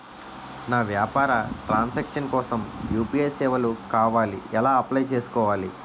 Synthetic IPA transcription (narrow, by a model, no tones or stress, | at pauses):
naːʋjaːpaːɾɐʈɾaːnsɐkʂɐnkɔːsɐmjuːpieːsɛːʋɐlukaːʋaːlḭɛlaːɐplɐjt͡ʃe̞ːsu̥kɔːʋaːli